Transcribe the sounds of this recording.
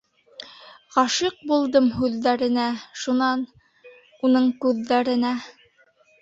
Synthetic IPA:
ʁɑʃiq̚bulˠd̪ɤmɦʉðːæɾɘ̆næʃunɑn | unɤɴkʉðːæɾɘ̆næ

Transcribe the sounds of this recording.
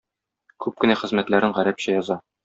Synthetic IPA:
kʉp̚kɘ̆næχɘ̆zmæt̪læɾɘɴʁæɾæpɕæjɒzɑ

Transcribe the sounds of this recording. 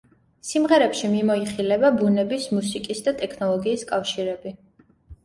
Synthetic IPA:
simʁɛɾɛpʃimimɔiχilɛbabunɛbismusikʼisd̪at̪ʼɛkʰnɔlˠɔɡiːskʼafʃiɾɛbi

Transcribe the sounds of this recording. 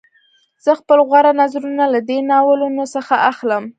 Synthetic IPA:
z̥əxpəlɣwaɾanazɾunalad̪enɑwəlunosəxaʔaxləm

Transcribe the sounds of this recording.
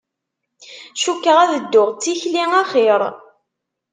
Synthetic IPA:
ʃukːəʁæðəd̪ːʊʁt͡sːiçliŋaχɪɾˤ

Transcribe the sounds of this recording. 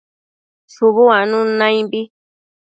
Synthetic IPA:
suβuanũnãĩmbi

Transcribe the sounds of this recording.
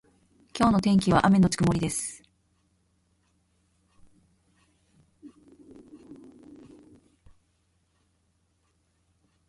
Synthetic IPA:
kʲo̞ːno̞t̪ẽ̞ŋk̬ʲiβ̞a̰ʔame̞not͡ɕi̥kɯmo̞ɾʲid̪e̞sɨ̥

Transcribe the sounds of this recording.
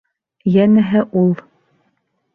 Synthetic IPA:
jænɘɦɘʔulˠ

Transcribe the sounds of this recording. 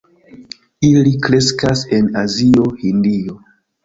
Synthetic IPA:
ilikɾe̞skase̞nazio̞hindio̞

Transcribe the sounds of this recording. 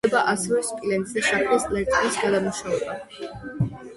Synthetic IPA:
ɛbaʔasɛvɛspʼilɛnt̪ʼzɛʃakʰlaslɛɾt̪ʼinisɡad̪amuʃavɛba

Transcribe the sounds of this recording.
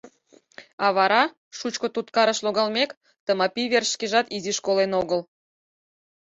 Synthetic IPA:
ɑβɑɾɑ | ʃut͡ɕkŏt̪ut̪kɑɾə̆ʃloɣɑlmʲek | t̪əmɑpʲiβerʃkeʒɑt̪iziʃkolenoɣəl

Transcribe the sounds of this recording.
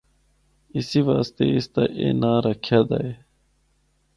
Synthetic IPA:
isiʋaːst̪ḛist̪aʔḛːnaːɾɐkʰjad̪a̰e

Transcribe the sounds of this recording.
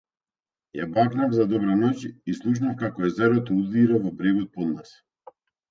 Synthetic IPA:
ja̰baknavzad̪ɔbɾanɔcislˠuʃ̬nafkakɔɛzɛɾɔt̪ɔud̪iɾavɔbɾeɡɔt̪̚pɔd̪nas

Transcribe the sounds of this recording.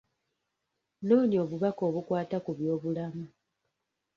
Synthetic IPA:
no̞ːnio̞βuβako̞ːβukwaːtakuβjo̞ːβulamu

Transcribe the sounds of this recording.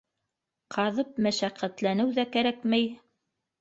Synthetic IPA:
qʰɑðɤp̚mæʃæqːæt̪lænɘwðækæɾækmæj

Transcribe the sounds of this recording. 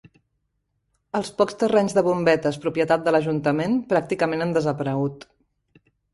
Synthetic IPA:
əlˠspɔkst̪ərɛɲzðəβ̞umbɛt̪əspɾupjət̪at̪̚d̪ələʒunt̪əmenpɾak̚t̪ikəmenənd̪əzəpəɾəɣut̪

